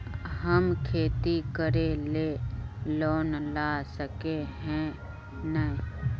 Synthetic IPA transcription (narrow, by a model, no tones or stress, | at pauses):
ɦəmkʰeːt̪ikəɾeleːloːnlaːsəkeɦɛ̃ | nəi